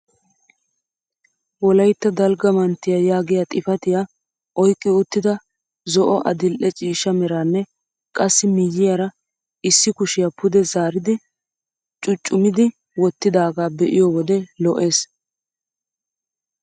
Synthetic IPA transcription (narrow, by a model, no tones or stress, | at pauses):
wɔlɐjt̪ːɐd̪ɐlɡɐmɐnt̪ːɪjajaːɡɪjaːt̪ʼɪfɐt̪ɪja | ʔɔjkʼːɪʊt̪ːɪd̪ɐ | zɔʔɔʔɐ̰d̪ɪlʔɛt͡ʃʼiːʃɐmɛɾaːnːɛ | kʼɐsːɪmɪjːɪjɐɾɐ | ɪsːɪkʊʃɪjapʊd̪ɛzaːɾɪd̪ɪ | t͡ʃʼʊt͡ʃʼːʊmɪd̪ɪ | wɔt̪ːɪd̪aːɡaːbɛʔɪjɔːwɔd̪ɛlɔʔe̞ːs